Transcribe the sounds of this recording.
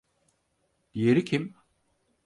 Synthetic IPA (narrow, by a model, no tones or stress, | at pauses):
d̪̥ijeɾicʰim